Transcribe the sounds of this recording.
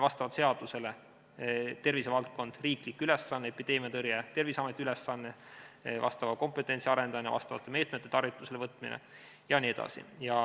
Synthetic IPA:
vɑst̪ɑvɑt̪se̞ɑd̪̥use̞le̞ | t̪e̞rvise̞vɑlt̪̚ko̞nd̪̥riːklikːˑyle̞sːɑnːeepid̪e̞ːmijɑt̪ɤrjet̪e̞rvisɑmet̪ʲːˑiyle̞sːɑnːe̞vɑ̰st̪ɑvɑko̞mpe̞t̪ːˑe̞nʲt̪siɑɾe̞nd̪ɑminevɑ̰st̪ɑvɑ̰t̪ːˑe̞me̞ːt̪me̞t̪ːe̞t̪ɑrvit̪ːˑuse̞levɤt̪ːˑminḛ | jɑnʲie̞d̪ɑ̰sḭjɑ

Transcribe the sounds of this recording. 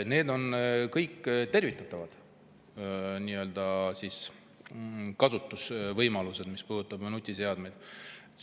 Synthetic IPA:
ne̞ːd̪o̞nkɤjkːt̪e̞rvit̪ːˑɑt̪ˑːɑvɑd̪̥ | niø̞ld̪̥ɑsis | kɑsut̪ːˑusvɤjmɑluse̞d̪̥mispuːd̪ut̪ːˑɑbmɑnut̪ʲːˑise̞ɑd̪mejd̪̥

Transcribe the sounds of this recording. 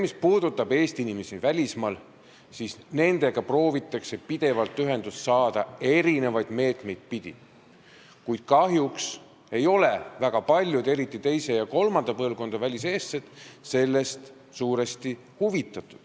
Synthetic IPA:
mispuːd̪̥ut̪ːˑɑb̥e̞ːst̪iinimesivælʲismɑl | sisne̞nd̪̥e̞ɡ̥ɑpro̞ːvit̪ːˑɑkse̞pid̪̥e̞vɑlt̪ːyɦe̞nd̪ussɑːd̪̥ɑe̞ɾine̞vɑjd̪̥me̞ːt̪me̞jd̪̥̚pid̪̥ʲḭ | kujd̪̥̚kɑɦjuks | e̞jo̞le̞væɡ̥ɑpɑlʲjud̪e̞ɾit̪ːˑit̪e̞jse̞jɑko̞lmɑnd̪̥ɑpɤlvko̞nd̪̥ɑvælʲis̬e̞ːst̪set̪se̞lːe̞st̪ | suːɾest̪i | huvit̪ːˑɑt̪ːˑud̪̥

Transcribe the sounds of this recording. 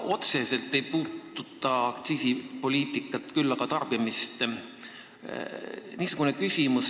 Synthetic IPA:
o̞t̪se̞se̞lt̪ːˑe̞jpuːt̪ːut̪ːˑɑɑkt̪siːsipo̞lʲiːt̪ˑikːˑɑt̪ːˑkylːɑkɑt̪ɑrb̥imist̪ | niːsuɡ̥unekysʲimus

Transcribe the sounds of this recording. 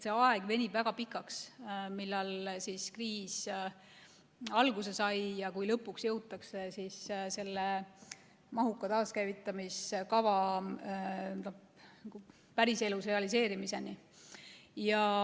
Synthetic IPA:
t̪se̞ɑe̞ɡ̥ve̞nʲib̥væɡ̥ɑpikːˑɑksmilːɑlsiskriːs | ɑlɡ̥use̞sɑjjɑkujlɤpːˑuksjɤ̞wt̪ːˑɑkse̞sisse̞lːe | mɑɦukːˑɑt̪ɑːskæjvit̪ːˑɑmiskɑvɑ | no | nɑɡ̥u | pæɾise̞lusre̞ɑlis̬e̞ːɾimise̞ni | jɑ

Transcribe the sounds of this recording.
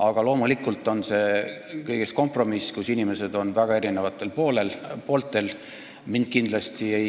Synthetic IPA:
ɑɡ̥ɑlo̞ːmulikːˑult̪ːˑo̞nse̞ | kɤjɡ̥e̞sko̞mpro̞miskusinime̞se̞d̪o̞nvæɡ̥ɑe̞ɾine̞vɑt̪ˑːe̞lpo̞ːle̞lpo̞ːlt̪ːˑe̞l | mind̪̥̚kind̪̥lɑst̪ie̞

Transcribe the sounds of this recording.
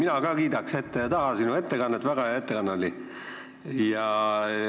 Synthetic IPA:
minɑkɑːkiːd̪ɑkse̞t̪ːejɑt̪ɑɦɑsinue̞t̪ːe̞kɑnːet̪ːvæɡɑjɑe̞t̪ːe̞kɑnːɑli | jɑ

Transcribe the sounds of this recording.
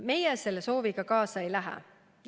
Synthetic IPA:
me̞jeselːeso̞ːviɡ̥ɑkɑːsɑejlæɦæ̰ | j

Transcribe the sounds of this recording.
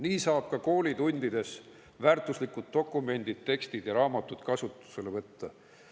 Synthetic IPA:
niːsɑːb̥̚kɑko̞ːlʲid̪unʲd̪̥id̪̥e̞s | væːɾt̪ˑuslikːˑud̪̥̚t̪o̞kːˑume̞nʲd̪̥id̪̥̚t̪e̞kst̪id̪̥jɑɾɑːmɑt̪ːˑud̪̥kɑsut̪ːˑu̥selvɤt̪ːɑ

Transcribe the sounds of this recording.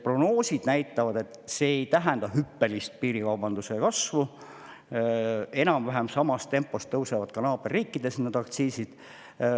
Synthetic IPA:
pro̞ɡnoːsʲid̪̥næjt̪ːˑɑvɑd̪e̞t̪ːˑse̞ejt̪æɦɛnd̪̥ɑɦypːe̞list̪̚piːɾikɑwbɑnd̪usekɑsvu | e̞nɑmvæɦæmsɑmɑst̪e̞mpːˑo̞st̪ːɤwsevɑd̪̥kɑnɑːb̥erːiːkːˑid̪̥e̞snod̪ɑkt̪siːsid̪̥

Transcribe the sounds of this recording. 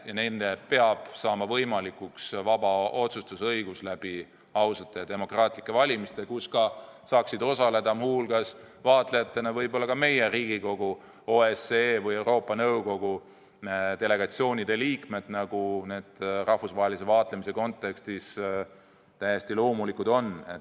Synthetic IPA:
jɑnenːepe̞ɑb̥sɑːmɑvɤjmɑlikˑuksvɑbɑo̞t̪sust̪usɤ̞jɡ̥uslæb̥i | ɑwsɑt̪ːˑe̞jɑd̪̥e̞mo̞krɑːt̪ˑlikːˑe̞vɑlʲimist̪ekuskɑsɑːksid̪o̞sɑle̞d̪̥ɑmhulɡ̥ɑs | vɑːt̪ˑle̞jɑt̪ˑːe̞nɑvɤjbo̞lːɑkɑme̞je̞ɾiːɡiko̞ɡ̥u | o̞esevɤje̞uwɾo̞ːpːˑɑnɤwko̞ɡ̥u | d̪̥e̞le̞ɡ̥ɑt̪sio̞ːnʲid̪̥e̞liːkme̞d̪̥nɑɡ̥une̞ːd̪̥rɑhfusvɑːɦelis̬e̞vɑːt̪le̞mise̞ko̞nt̪ːˑe̞kst̪is | t̪æje̞st̪ilo̞ːmulikˑud̪o̞ne̞̰t̪ː

